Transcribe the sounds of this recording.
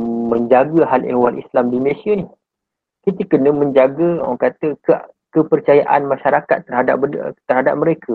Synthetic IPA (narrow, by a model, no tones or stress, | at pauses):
mə̃ɲd͡ʒaɡəɦalḛhwalʔḭslamdiməlesianih | kit̪əkənə̃mə̃ɲd͡ʒaɡəa̰kat̪əkə | kəpərt͡ʃaja̰ʔanmãʃaɾaka̰t̪ːərhada̰p̚ət̪ərhada̰p̚məɾekʰə